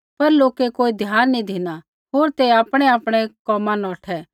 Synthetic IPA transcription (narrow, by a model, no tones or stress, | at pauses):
pɐɾloːkekoːid̪ʱjaːnːid̪ʱina | ɦoːɾt̪eaːpɽ̃ɛaːpɽ̃ɛkɔːmãnɔːʈʰɛː